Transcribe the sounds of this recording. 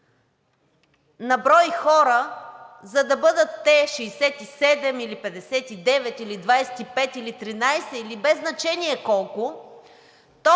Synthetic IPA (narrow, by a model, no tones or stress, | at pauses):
nɐbɾɔjxɔɾəzɐd̪ɐbɤd̪ət̪ːɛʃɛjsɛt̪isɛd̪ɛmilipɛd̪ɛsɛt̪id̪ɛvɛt̪ilid̪vajsɛ̥t̪ipɛt̪ilit̪ɾinajsɛilibɛzːnɐt͡ʃɛniɛkɔlˠkʊ | t̪o